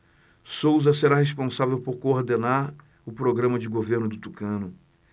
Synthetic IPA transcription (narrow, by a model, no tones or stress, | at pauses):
sowzɐseɾaɦespõsavewpoɾkoːɾd̪enaɾ | ʊpɾoɡɾɐ̃mɐd͡ʒɪɡoveɾnʊd̪ʊt̪ukɐ̃nʊ